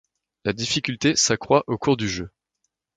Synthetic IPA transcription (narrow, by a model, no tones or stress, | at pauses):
lad̪ifikʲylt̪esakχwaʔokuʁd̪yʒø